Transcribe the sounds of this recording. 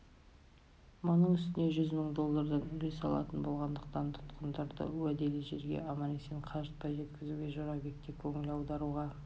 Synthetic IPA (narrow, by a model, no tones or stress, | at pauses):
monəɴʏst̪ɪne̞ʒʏzməɴd̪o̞lˠːɑɾd̪ɑnʏɾesɑ̰lˠɑ̰t̪ənbo̞lˠʁɑnd̪əq̚t̪ɑnt̪ʰʊ̥t̪qənd̪ɑɾd̪ə̰wæd̪e̞liʒe̞ɾɡʲe̞̰ʔɑmɑneseɴqʰɑʒət̪̚pɑjʒe̞t̪kʲɪzuɡʲe̞ʒoɾɑbʲekt̪ːekʲʰɵŋɪlɑwd̪ɑɾuʁɑ